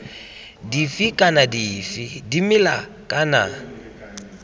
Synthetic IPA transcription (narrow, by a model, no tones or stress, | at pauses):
difikʼanadifidimɪla | kʼana̰